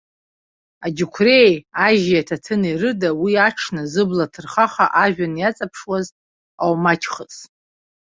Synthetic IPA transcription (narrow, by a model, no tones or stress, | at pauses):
ad͡ʒukʷʰrejaʒjatʰatʰɨnirɨdawiaʈ͡ʂʰnɨzɨblatʰɨrχaχaʔaʒᶣanjat͡sʼapʰʂwaz | awmat͡ʃʲʰχət͡sʼ